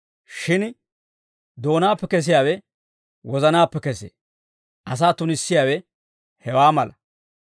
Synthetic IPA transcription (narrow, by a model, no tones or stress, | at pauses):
ʃɪn | d̪o̞ːnaːpːɛkɛs̬ɪjaːwɛ | wɔzɐnaːpːɛkɛsḛː | ʔɐs̬aːt̪ʊnɪsːɪjaːwɛ | hɛwaːmɐlɐ